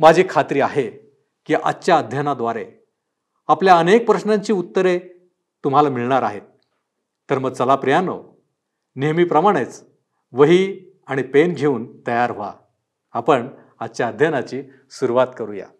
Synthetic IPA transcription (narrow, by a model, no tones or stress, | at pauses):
mad͡ʑʱiːkʰat̪ɾiːaɦe | kiːʔa̰tːɕjaəd̪ʱjanad̪ʋaɾe | apljaənek̚pɾəsnãɲt͡ɕiːut̪ːəɾe | t̪um̤alamiɭɳaɾaɦet̪ː | əɾməɡ̚t͡səlapɾijano̰ | niɦmiːpɾəmaɽ̃et͡s | ʋəɦiː | aɽ̃ipenɡʱeuːnt̪əjaɾɦoa̰ː | pəɳ | atːt͡ɕaəd̪ʱjanat͡ɕiː | suɾuʋat̪kəɾuja̰